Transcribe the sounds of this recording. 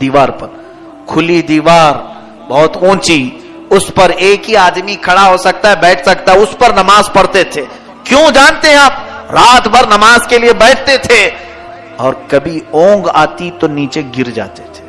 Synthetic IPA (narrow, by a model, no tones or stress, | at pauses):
d̪iːʋaːɾpɐɾ | kʰʊlid̪iːʋaːɾ | bɔɦt̪ũːt͡ʃi | ʊspɐɾeːkɦiaːd̪mikʰɐɽaɦosɐk̚t̪aɦɛbɛːʈʰsɐkt̪aɦɛʊspɐɾnɐmaːzpɐɽt̪et̪ʰeː | kjõd͡ʒaːnt̪eɦɛ̃aːp̚ɾaːt̪bʱɐɾnɐmaːzkeliebɛːʈʰt̪et̪ʰe | ɔːɾkɐbʱiõːŋɡa̰ːt̪it̪oniːt͡ʃeɡɪɾd͡ʒa̰ːt̪e̥t̪ʰe̥ː